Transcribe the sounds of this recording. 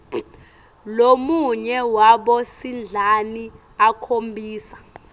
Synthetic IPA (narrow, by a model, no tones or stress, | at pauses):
lomuɲɛwaɓɔsind͡ɮʱani | akʰombʱiːsḁ